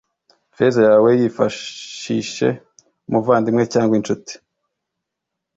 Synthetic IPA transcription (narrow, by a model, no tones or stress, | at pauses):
fezajaːwejifaʃiʃe̞̰ | muvaːndimŋecaːŋɡwint͡ʃuti̥